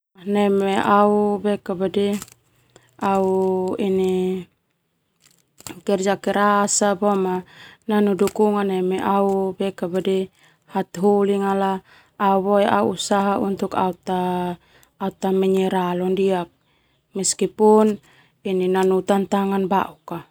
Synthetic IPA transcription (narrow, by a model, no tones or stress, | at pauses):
anɛmɛʔaubɛkabadɛ | auini | kɛrd͡ʒakɛɾasabɔmananudukuŋanɛmɛʔaubɛkabadɛ | hat̪ɦuliŋalaː | uβɔɛa̰uusaɦaunt̪uka̰ut̪aː | ut̪amɛɲɛɾalɔndiak̚ | miskipun | ininanut̪ant̪aŋanba̰ʔuka